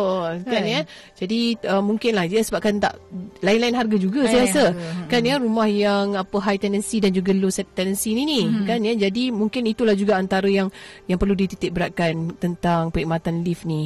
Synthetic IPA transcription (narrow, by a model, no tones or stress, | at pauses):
okanjə | d͡ʒadiəmːuŋkɪnlahiasəbap̚kant̪a̰ʔlaɪnlaɪnɦarɡad͡ʒuɡasajasəkanjəɾumahjaŋapəɦajt̪ɛndənsidand͡ʒuɡəlosɛt̪t̪ɛnənsininikanjəd͡ʒadimuŋkɪnit̪ulahd͡ʒuɡaant̪aɾəjaŋjaŋpərludit̪it̪ɪk̚bəɾaʔ̚kant̪ənt̪aŋpəiʔmat̪anlifni